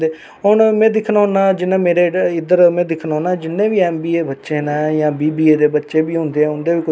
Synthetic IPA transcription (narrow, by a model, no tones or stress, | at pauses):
d̪eː | ɦonmɛ̃ːd̪ɪkʰnaːʊnãːd͡ʒɪnːãːmeːɾeːɪd̪əɾmɛ̃ːd̪ɪkʰnaːnaːd͡ʒɪnːẽːʋiːɛːmbiːebətːʃeːnajãːbiːbiːeːd̪eːbətːʃeːbiːɦõːnd̪eːɛ̃ːʊnd̪eːʋiːkʊ